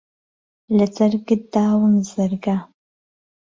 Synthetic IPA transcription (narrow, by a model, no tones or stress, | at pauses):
lɐt͡sʼɐrɡɨdaːwəmzɐrɡaː